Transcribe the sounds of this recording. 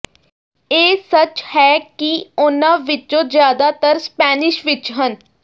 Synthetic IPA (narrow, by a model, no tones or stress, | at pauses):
eːsət͡ʃhɛːkiʊnãːʋɪt͡ʃõːzjaːd̪aːt̪əɾspɛːnɪʃʋɪt͡ʃɦən